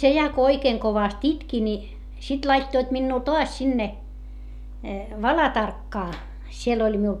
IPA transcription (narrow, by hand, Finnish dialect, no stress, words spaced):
se jɑ ko oikeːŋ koʋɑst itki ni sit lɑitːoit minːuː toɑs sinːe ʋɑlɑtɑrkːɑː siel olʲ miul